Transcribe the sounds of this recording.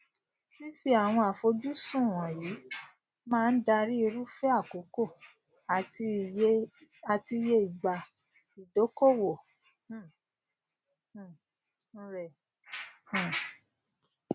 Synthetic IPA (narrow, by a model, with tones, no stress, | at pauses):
fi˦fi˧a˨w̃ɔ̃˧a˨fo˧d͡ʒu˦sũ˦˨wã˨ji˨˦ | mãː˦˧n̩˦da˧ɾi˦i˧ɾu˦fɛ˦a˦˨ko˨˦ko˦˨ | a˨i˧ | a˨ti˧je˧˦i˨ɡ͡ba˨ | i˨do˨˦ko˦˨wõ˨˦˨ | ɾɛ˨˦˨